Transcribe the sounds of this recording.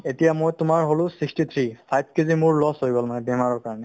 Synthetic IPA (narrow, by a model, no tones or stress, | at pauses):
etijamojtʊmaɹɦolʊ̃sikstit̪ʰɹipʰajb̚ʰkizimʊɹlɔsɦojbɔlmanɛbɛmaɹɔɹkaɹɔnɛ